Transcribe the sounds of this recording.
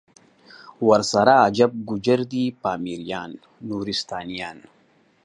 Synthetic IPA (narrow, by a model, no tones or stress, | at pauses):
wɐɾsaɾaːd͡ʒab̚ɡud͡ʒɐɾd̪iːpaːmiɾijaːnː | uːɾist̪aːnijaːn